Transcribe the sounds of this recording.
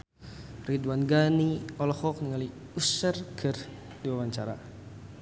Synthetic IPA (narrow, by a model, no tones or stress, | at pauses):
rid̪wanɡaniɔlɔhɔk̚niŋali | usərkʰər | diwawaɲt͡ʃaɾa̰